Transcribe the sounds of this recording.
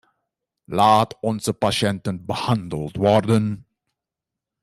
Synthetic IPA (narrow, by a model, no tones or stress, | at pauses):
laːtɔnzəpaʃɛntənbəhɑndəlˠtʋɔrdən